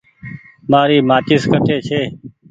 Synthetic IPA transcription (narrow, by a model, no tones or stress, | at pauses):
maːɾiːmaːt͡ʃɪskəʈʰeːt͡ʃʰeː